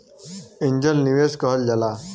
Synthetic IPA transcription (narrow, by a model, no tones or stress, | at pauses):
iɲd͡ʑəlniʋeskəɦəld͡ʑala